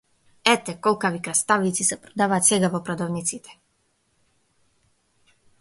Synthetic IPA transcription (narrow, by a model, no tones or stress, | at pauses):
ɛt̪ɛkɔlˠkavikɾast̪avit̪sisɛpɾɔd̪avaːt̪sɛɡavɔpɾɔd̪ɔvnit̪sit̪ɛ̥